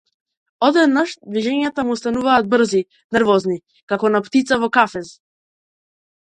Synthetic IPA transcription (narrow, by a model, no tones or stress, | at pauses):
ɔd̪ɛd̪naʃd̪viʒɛɲat̪amuːst̪anuvaːd̪̚br̩zi | nɛɾvɔzni | kakɔnapt̪it̪savɔkafɛz